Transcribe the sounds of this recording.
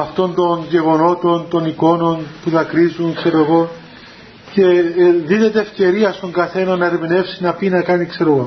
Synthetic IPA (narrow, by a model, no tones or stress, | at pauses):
ɐft̪o̞nt̪o̞nʝe̞ɣo̞no̞t̪o̞nt̪o̞niko̞no̞npuðɐkɾizuŋkseɾo̞ɣo̞ | ce̞ðine̞t̪eːfce̞ɾiɐst̪o̞ŋɡɐθe̞nɐnːɐɾimine̞fsinɐpinɐkɐnikse̞ɾoɣo̞